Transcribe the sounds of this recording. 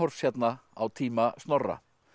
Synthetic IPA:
ɔɾ̥fsjɛt̪naawt̪ʰiːmast̪nɔrːa̰

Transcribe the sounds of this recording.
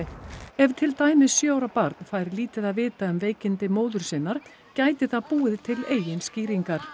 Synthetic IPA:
ɛvt̪ʰɪlt̪aːjmɪssjœawɾapaɾt̪nfajɾliːt̪ɪðaðvɪːt̪aʏmveːjcɪnt̪ɪmoːwðʏɾ̥sɪnaɾ̥ | caːjt̪ɪθaðpuːɪðt̪ʰɪleːjɪnsciːɾiŋkaɾ̥

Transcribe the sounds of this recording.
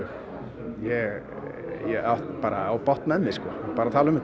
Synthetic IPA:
jɛɣ | jɛaht̪paːɾaawpɔht̪naɛmːɪskɔapaːɾat̪ʰaːlaʏmʏ

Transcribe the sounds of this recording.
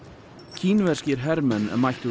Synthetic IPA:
cʰiːnvɛ̥scɪɾ̥ɦɛɾmɛnɛ̰mːajht̪ʏ

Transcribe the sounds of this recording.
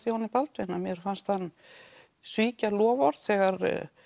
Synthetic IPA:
θihɔnːipalt̪ɾenːamjɛɾ̥fanst̪θanː | sviːcalɔːvɔɾð̥θɛːɣaɾ

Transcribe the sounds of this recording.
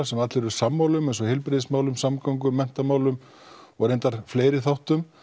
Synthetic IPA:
sɛmat̪lɪɾʏɾ̥samːaːwlʏmɛnsɔhɪlpɾɪðɪsmaːwlʏmsamkawŋkʏmːɛn̥t̪amaːwlʏm | vɔɣɾẽjnt̪aɾ̥fleːjɾɪθawht̪ʏm

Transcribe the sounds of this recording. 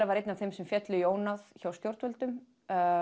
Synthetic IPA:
ɾavaɾejt̪nanθejmsɛmfjɛt̪lʏjoːwnaðçawst̪jowɾ̥t̪vœlt̪ʏm

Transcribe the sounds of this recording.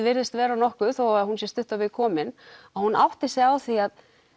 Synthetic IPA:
vɪɾðɪst̪vɛːɾanɔhkʏθoaɾhunsjɛst̪ʏht̪ʏavɪðkʰɔːmɪnahunʔa̰wht̪ɪsjɛawθiað

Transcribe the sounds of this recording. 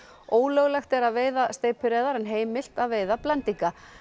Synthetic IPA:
oːwlœɣlɛxt̪ɛɾaðveːjðast̪eːjpʏɾɛːðaɾanɦeːjmɪl̥t̪aðveːjðaplɛnt̪ika

